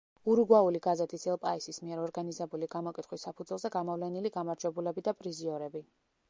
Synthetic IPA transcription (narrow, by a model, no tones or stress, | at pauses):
uɾuɡwauliɡazɛt̪ʰisɛlˠpʼaisismiɛɾɔɾɡanizɛbuliɡamɔkʼit̪χwisapʰud̪zwɛlˠzɛɡamɔvlɛniliɡamaɾd͡ʒwɛbulɛbid̪apʼɾiziɔɾɛbi